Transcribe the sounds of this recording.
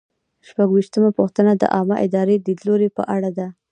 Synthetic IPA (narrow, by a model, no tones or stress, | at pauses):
ʃpaɡwiʃt̪əmapuxt̪ənad̪ə̰ʔɑməʔɪd̪ɑɾed̪id̪loɾepə̰ʔaɽad̪a